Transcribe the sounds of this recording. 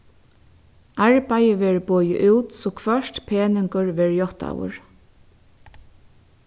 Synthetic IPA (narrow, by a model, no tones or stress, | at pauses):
aɹpajəʋɛːɹboːjɪ̰ʔuwt̪sɔkʰvœʂt̪pʰeːnɪŋkəɹʋɛːɹjɔht̪a̰wʊ̰ɹ